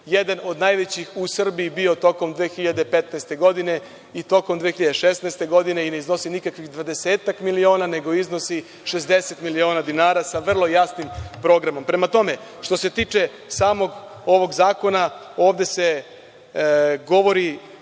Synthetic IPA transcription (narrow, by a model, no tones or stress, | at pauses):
jed̪ano̞d̪najʋet͡ɕixusr̩biibio̞t̪o̞ko̞md̪ʋeːxiʎad̪epe̞t̪nast̪e̞ɡo̞d̪ine̞ | it̪o̞komd̪ʋeːxiʎad̪eʃesnaest̪e̞ɡo̞d̪ine̞ine̞izno̞sinikakʋixd̪ʋad̪e̞seːt̪akmilio̞ːnane̞ɡo̞izno̞si | ʃe̞sd̪e̞se̞t̪milio̞ːnad̪inaːɾasaʋr̩lˠo̞jasnimpɾo̞ːɡɾamo̞mpɾe̞mat̪o̞me̞ | ʃt̪o̞se̞t̪iːt͡ʂe̞ | saːmo̞ɡ | o̞ʋo̞ɡzaːko̞na | o̞ːʋd̪e̞se̞ | ɡo̞ʋo̞ɾi